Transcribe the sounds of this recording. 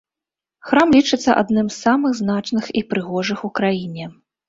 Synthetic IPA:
xɾamlʲit͡ʂɨt̪sːɐ̰ʔa̰d̪nɨmsːamɨɣznat͡ʂnɨxipɾɨɣɔʐɨxukɾajinʲɛ

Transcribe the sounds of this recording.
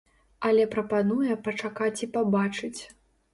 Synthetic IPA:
ɐlʲɛpɾɐpanujɛpɐt͡ʂakat͡sʲipabat͡ʂɨt͡sʲ

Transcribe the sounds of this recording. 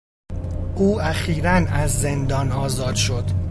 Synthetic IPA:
ʔuːæxiːɾænæzːe̞nd̪ɒːnɒːzɒːd̪̥ʃo̞d̪̥

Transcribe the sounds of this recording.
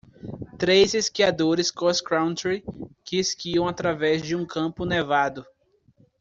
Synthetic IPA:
t̪ɾejzeskiad̪oɾɪskɔskɾãw̃nt̪ɾikɪeskiɐ̃w̃at̪ɾavɛzd͡ʒɪũkʰɐ̃pʊnevad̪ʊ

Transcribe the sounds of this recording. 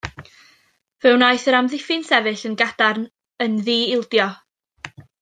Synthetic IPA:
v̥ɛwnajθəɾamðɪfɪnsɛvɨɬənɡad̥arn | ənðiːɪlˠdjɔ

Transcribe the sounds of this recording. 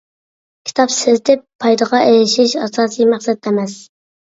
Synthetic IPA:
kʲʰi̥t̪ʰɑpsɪzt̪ʰɪpʰːɑjd̪əʁɑʔejɪʃiʃɑsɑːsijmæχsɛd̪̚d̪ɛmɛs

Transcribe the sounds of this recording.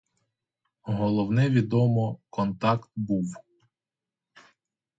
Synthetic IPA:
ɦɔlˠɔwnɛʋʲid̪ɔmɔkɔnt̪ɑkt̪buw

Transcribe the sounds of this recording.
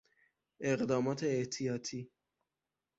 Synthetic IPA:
eqd̪ɒːmɒːt̪ʰeeht̪ʰijɒːt̪ʰiː

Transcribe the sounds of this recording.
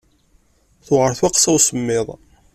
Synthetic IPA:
θʊʁəɾθwaqsæwsəmːɪðˤ

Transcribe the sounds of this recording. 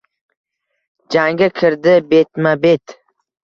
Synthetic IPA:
d͡ʒaŋɡʲakʲʰɪɾd̪ɪbe̞t̪mabe̞t̪

